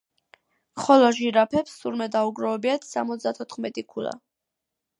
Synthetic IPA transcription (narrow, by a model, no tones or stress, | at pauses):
χɔlɔʒiɾapʰɛpsːuɾmɛd̪auɡɾɔɛbiat̪ʰsa̰mɔt̪sʰd̪at̪ʰɔt̪ʰχmɛt̪ʼikʰula̰